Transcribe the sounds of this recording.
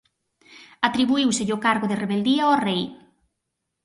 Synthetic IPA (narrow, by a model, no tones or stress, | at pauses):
at̪ɾiβuiwsɪʎokaɾɣʊðeɪreβeld̪iɐɔrej